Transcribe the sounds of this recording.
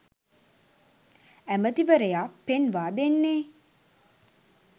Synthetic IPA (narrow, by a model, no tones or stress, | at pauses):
æmət̪iʋəɾəjaːpenʋaːd̪enːeː